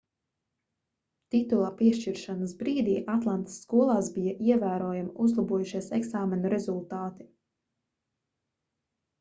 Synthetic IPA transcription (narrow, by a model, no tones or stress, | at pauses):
t̪it̪ulˠaːpiɛʃt͡ʃiɾʃanasbɾiːd̪iːʔat̪lˠant̪ɪ̥sːkuɔlˠaːsbijaʔiɛvæːɾuɔjamauzlˠabuɔjuʃiɛsɛɡsaːmɛnuɾezulˠt̪aːt̪i̥